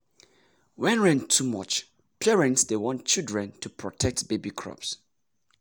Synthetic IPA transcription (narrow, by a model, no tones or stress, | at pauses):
wɛ̃nɹɛ̃ntʰːumɔ̰t͡ʃ | pʰɛɹɛ̃ntsdewɔ̃ntt͡ʃildɹɛ̃ntʰupʰɹɔtʰɛk̚tb̥ebikʰɹ̥ɔ̰ps